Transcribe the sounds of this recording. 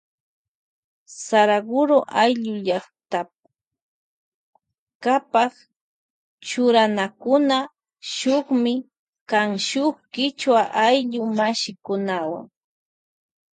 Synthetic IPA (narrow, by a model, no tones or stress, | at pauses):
saɾaɡʊɾoʔajʎʊʎaχt̪ap | kapaχ | t͡ʃʊɾanakʊna | ʃʊχmɪ | kaŋʃʊχkɪt͡ʃwaʔajʎʊmaʃɪkʊnawa̰ŋ